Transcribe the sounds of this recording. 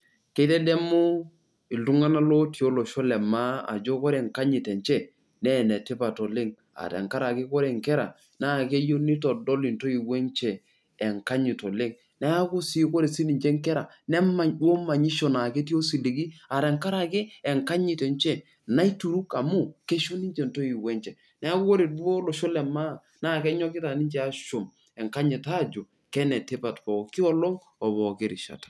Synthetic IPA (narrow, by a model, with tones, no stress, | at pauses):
ke˨˦te˦de˦mu˦ | i˨ldu˦ŋa˦na˦lo˦ti˨o˦lo˨ʃo˦lɛ˨ma˦a̰˨d͡ʒo˦kɔ˦ɾe˨ŋka˦ɲi˨tɛ˨nt͡ʃe˦ | ne˦˨ne˨ti˦pa˨to˨le˦ŋ | a̰˨tḛ˨ŋka˦ɾa˨kɪ˦kɔ˦ɾe˨ŋkɛ˦ɾa̰˨ | na˦˨ke˦jo˦ni˦to˨do˦li˨nto˦i˨we˦nt͡ʃeː˨ | ŋka˦ɲi˨to˨le˦ŋ | ne˦a˦ku˦si˦ko˦ɾe˨si˦ni˨ɲd͡ʒe˦ŋkɛ˦ɾa˨ | nɛ˦ma˨ɲɗu˦o˦ma˨ɲi˦ʃo˨na˨ke˦ti˦o˦si˨li˨ɡi˦a˨ɾɛ˨ŋka˦ɾa˨ke˦ɛ˨ŋka˦ɲi˨tɛ˨ɲt͡ʃɛ˦ | na˦i˦tu˨ɾu˦ka˨mu˦ke˦ʃo˦ni˦ɲd͡ʒɛ˨nto˦i˨wɛ˦ɲt͡ʃɛ˨ | nɛ˦a˦kʊ˦ko˦ɾe˨do˦lo˨ʃo˦lɛ˨ma˦˨ | na˦˨kɛ˦ɲɔ˦kɪ˦ta˨ni˦ɲt͡ʃɛ˦a˦ʃo˨m | ɛ˨ŋka˦ɲi˨ta˦˨d͡ʒo˨ | kɛ˦nɛ˨te˦pa˨tpɔ˨kɪ˦ɔ˦lɔ˦ŋ | ɔ˨bɔ˨ke˦ɾi˨ʃa̰˨tḁ˨